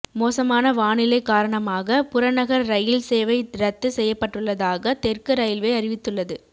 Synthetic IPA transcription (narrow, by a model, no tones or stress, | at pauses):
moːsɐmaːnɐʋaːɳɪlɐɪkːaːɾɐɳɐmaːɣɐpʊɾɐnɐɣɐɾɾɐjɪlseːʋɐɪɾɐt̪ːɯsɛjːɐpːɐʈːɯɭːɐðaːɣɐt̪ɛrkɯɾɐjɪlʋeːɐɾɪʋɪt̪ːɯɭːɐðɯ